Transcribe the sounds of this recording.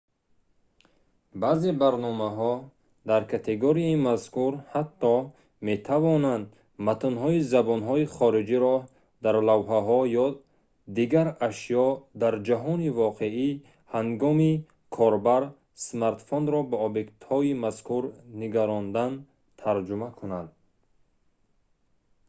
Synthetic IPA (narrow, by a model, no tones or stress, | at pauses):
bazebaɾnɔmaɦɔ | d̪aɾkʰat̪ʰeɡoɾiaimaskuɾhat̪ːɔ | me̞t̪ʰavɔnand̪ | mat̪unɦɔizabɔnɦɔiχɔɾid͡ʒiɾɔ | d̪aɾlavɦaɦɔjɔ | d̪iɡaɾaʃjɔd̪aɾd͡ʒaɦɔnivɔqʰei | haŋɡɔmi | kʰɔɾbaɾ | smaɾt̪fɔnɾɔbaɔbekt̪hɔimaskʰuɾniɡaɾɔnd̪an | t̪ʰaɾd͡ʒumakʰunand̪